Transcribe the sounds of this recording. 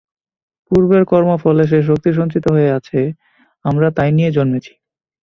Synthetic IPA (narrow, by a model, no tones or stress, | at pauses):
puɾbeɾkɔɾmofɔleʃ̬eʃ̬ok̚t̪iʃ̬ont͡ɕit̪oɦoeat͡ɕʰe | amɾat̪ajnijed͡ʑonmet͡ɕʰi̥